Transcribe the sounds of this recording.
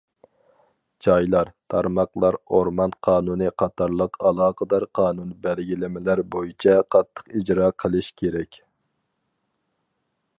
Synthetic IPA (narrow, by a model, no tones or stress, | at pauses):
d͡ʒɑjlˠɑɾt̪ʰɑɾmɑqlˠɑɾoɾmɑnqʰɑːnunɨqʰɑt̪ʰɑɾlˠəqʰɑlˠɑːqʰəd̪ɑɾqʰɑːnunbælɡʲilɪmɪlæɾbojit͡ʃʰɛqʰɑt̪ʰːə̥qid͡ʒɾɑːqʰəlˠɨʃkʲʰeɾɛkʲ